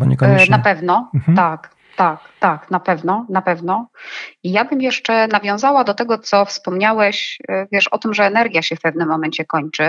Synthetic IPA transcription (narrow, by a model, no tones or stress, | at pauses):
bɔɲɛkɲnapɛvnɔt̪ak | t̪akt̪aknapɛvnɔnapɛvnɔijabɘmjɛʂt͡ʂɛnavʲjɔ̃zawad̪ɔt̪ɛɡɔt̪sɔfspɔmɲawɛɕvʲjɛʂɔt̪ɘmʐɛːnɛɾɡʲjaɕɛfpɛvnɘmːɔmɛɲt͡ɕɛkɔɲt͡ʂɘ